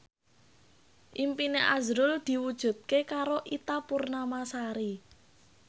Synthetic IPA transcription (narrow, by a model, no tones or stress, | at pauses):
ʔimpineʔa̰zɾʊld̪̥i̤wud̥ʒ̥ṳt̪̚kekaɾoʔit̪apurnamasaɾi